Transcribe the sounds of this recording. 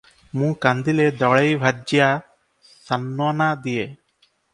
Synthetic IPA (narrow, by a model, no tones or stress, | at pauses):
mũkand̪iled̪ɔɭejbʱad͡ʒja | sanːɔnad̪ije